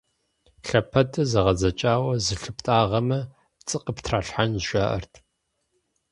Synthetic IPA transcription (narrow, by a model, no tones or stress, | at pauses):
ɬɐpʰɐtʰʼɐzɐʁɐzɐt͡ʃʼaːwɐzɨɬɨptʼaːʁɐmɐ | t͡sʼɨqəptʰraːɬħanzʒʷaːʔɐ̰rtʰ